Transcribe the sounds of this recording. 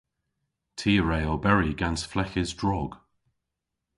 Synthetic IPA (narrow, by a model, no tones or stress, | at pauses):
tʰiːɹeɪɔbɛɹiɡansflɛçɪzdɹɔɡ̥